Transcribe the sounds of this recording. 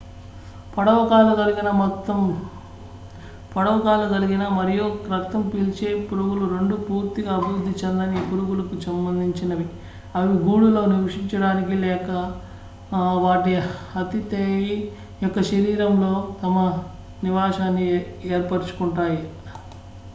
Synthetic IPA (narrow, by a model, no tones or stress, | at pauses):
pɐɽɐʋɐkaːlɐɡɐliɡinɐmt̪ːɐm | pɐɽɐʋɐkaːlɐd͡ʒɐliɡinɐmɐɾijokɾɐt̪ːɐmpilt͡ʃeːpuɾuɡuluɾe̞ɳɖupuːɾt̪iɡɐːbʱiɾud̪ʱːit͡ʃɐnd̪ɐnipuɾuɡulɐkusɐmbɐnd̪ʱiɲt͡ʃinɐʋi | ɐʋiɡuːɽulo̞ːniɾuʂiɲt͡ʃɐɽaːnikilɛːkɐ | ʋaːʈihɐt̪it̪eːji | jɔkːɐʃɐɾiːɾɐmlo̞ːt̪ɐmɐ | niʋaːʃaːnːieːɾpɐɾt͡ʃu̥kuɳʈaːji